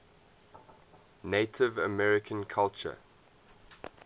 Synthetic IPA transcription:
neɪtʰɪvəmɛɹɪkʰə̃nkʰalt͡ʃə̰

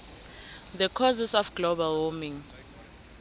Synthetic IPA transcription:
ðəkʰɔzisɔfɡ̥lobalwɔmĩŋ

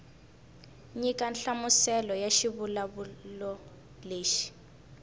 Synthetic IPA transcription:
ɲikanɬamusɛlɔjaʃiβulaβulɔ | leːʃi̥

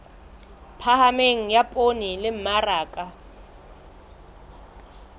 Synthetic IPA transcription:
pʰahameŋ̩japʼonilɪm̩maraːkʼa

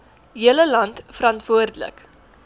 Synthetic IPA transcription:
ɦiələlɐntfəɾɐntv̥uərdlə̰k

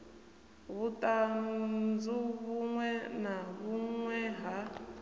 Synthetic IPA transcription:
βutʼand͡zuβuŋwɛnaβuŋwɛɦa

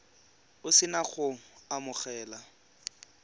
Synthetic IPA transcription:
ʊsɪnaχʊamʊχɛːla

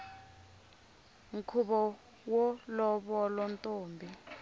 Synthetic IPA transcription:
ŋ̩kʰuɓɔ | wɔlɔɓɔlɔntʼoːmbʱi

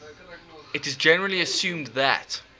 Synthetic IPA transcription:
ɪtɨzd͡ʒɛnəɹəliəsjʉ̃ːmðə̰t

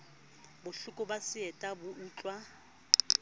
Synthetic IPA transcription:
bʊɬʊkʼʊbasɪɛtʼabʊuːt͡ɬʼwa

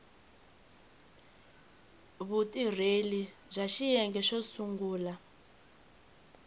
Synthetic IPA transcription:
βutʼir̤elizʷaʃijɛŋɡɛʃɔsuŋɡuːla

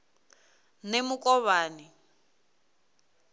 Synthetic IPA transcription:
nemukʼɔβaːni

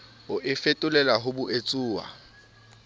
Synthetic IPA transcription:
ʊʔɪfetʼʊlɛlaɦʊbʊʔet͡sʼuːwa̰

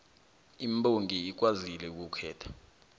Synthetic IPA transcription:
imbʼoŋʱiik̬wazilɛuk̬ukʰɛːtʰḁ

